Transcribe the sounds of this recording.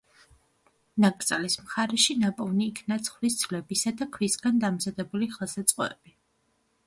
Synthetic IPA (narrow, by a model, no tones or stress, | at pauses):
nakʼɾt̪sʼalismχaɾɛʃinapʼɔvniːkʰnat̪sʰχlisd̪zlɛbisad̪akʰvisɡand̪amzad̪ɛbuliχlˠsat̪sʼqʼɔ̰ɛ̰b̥i